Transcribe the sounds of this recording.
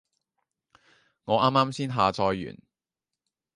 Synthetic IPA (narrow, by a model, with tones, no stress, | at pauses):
ŋɔː˨˧˥ʔaː˥mːaː˥msiː˥nɦaː˨t͡sɔː˧jːy̰ː˨˩n